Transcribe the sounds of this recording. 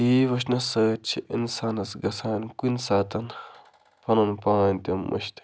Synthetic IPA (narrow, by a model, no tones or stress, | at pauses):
iːʋɐʃnɐsɐːt͡ʃʰiʔinsaːnɐsɡɐsaːnkinsaːt̪ɐn | pʰɐnɐnpãːnt̪ɐmːʔɐ̰ʃt̪